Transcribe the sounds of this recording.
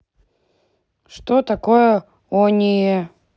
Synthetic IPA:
ʂt̪ot̪ɐkojə | onʲɪjə

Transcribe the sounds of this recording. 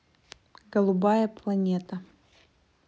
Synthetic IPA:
ɡəlˠʊbajɐplˠɐnʲet̪ɐ

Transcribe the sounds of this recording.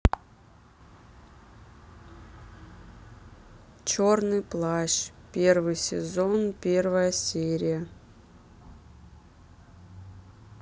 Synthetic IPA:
t͡ɕornɨjplˠaɕpʲervɨjsʲɪ̰zonpʲervəjəsʲeɾʲɪjə

